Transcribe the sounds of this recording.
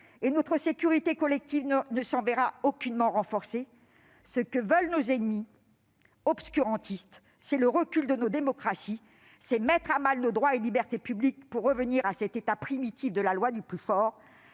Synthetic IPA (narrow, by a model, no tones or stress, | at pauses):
enot̪χəsekʲyʁit̪ekɔlɛk̚t̪ivnnəsɑ̃vɛʁaokʲynmɑ̃ʁɑ̃fɔʁse | səkəvœlnozenmi | ɔbskʲyʁɑ̃t̪ʰist̪ | sɛləʁəkʲyld̪ənod̪emɔkχasi | sɛmɛt̪χamalnod̪ʁwaelibɛʁt̪epyblik̚puʁːəvəniʁasɛt̪et̪apχimit̪ʰifd̪əlalwad̪yplyfɔːʁ